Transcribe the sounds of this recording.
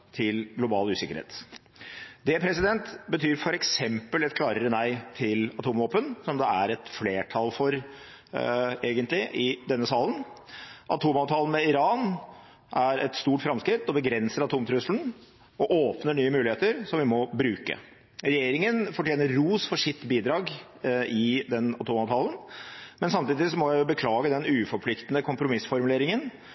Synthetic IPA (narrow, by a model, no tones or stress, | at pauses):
t̪ʰɪlɡlʊbɑːlʉːsɪkəɾhḛːt̪ | d̪ɛpʰɾɛsɪd̪ɛnt̪bət̪ʰyːɾfɔɾɛksɛmpəlɛt̪̚kʰlɑːɾəɾənæɪt̪ʰɪlɑt̪ʰuːmʋoːpənsɔmd̪ɛæɾɛt̪fleːʈʰɑlfɔɾ | eːɡənt̪lɪʔɪd̪ɛnːəsɑːlən | ʔɑt̪ʰuːmɑːʋt̪ʰɑːlənmɛɪɾɑːn | ʔæɾɛt̪st̪uːʈfɾɑmskɾɪt̪ːɔbəɡɾɛnsəɾɑt̪ʰuːmt̪ʰɾʉslən | ɔʔoːpnəɳyːəmʉːlɪheːt̪əɾsɔmʋɪmɔbɾʉːkə̰ | ɾɛjeːɾɪŋənfɔʈjeːnəɾːuːsfɔʂɪt̪ːbiːd̪ɾɑːɡ | ɪd̪ɛnɑ̰t̪ʰuːmɑʋt̪ʰɑːlənmɛnsɑmt̪iːd̪ɪsɔmɔjæɪjʊbəkʰlɑːɡəd̪ɛnʉːfɔɾpʰlɪkt̪ənəkʰʊmpɾʊmɪsfɔɾmʉleːɾɪŋən